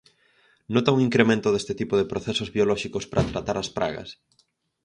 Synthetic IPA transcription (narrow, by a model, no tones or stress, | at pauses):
not̪auŋiŋkɾemẽnt̪ʊðest̪ɪt̪ipoðepɾoθesozβiolɔʃikospɾʔɐt̪ɾat̪aɾɐspɾa̰ɣɐ̰s